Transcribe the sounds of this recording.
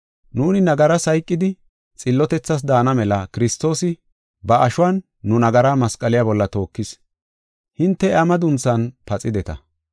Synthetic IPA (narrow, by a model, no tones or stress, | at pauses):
nuːnɪnɐɡɐɾɐsɐjkʼːɪd̪ɪ | t͡sʼɪlːɔt̪ɛt͡sːɐs̬d̪aːnɐmɛlɐkɪɾɪst̪ːo̞ːsɪ | bɐɐʃʊwɐnː | ʊnɐɡɐɾaːmɐskʼːɐlɪjaːbɔlːɐt̪o̞ːkːɪs | hɪnt̪ːɛɐmɐd̪ʊnt͡sːɐnpɐt͡sʼːɪd̪ɛt̪ɐ̰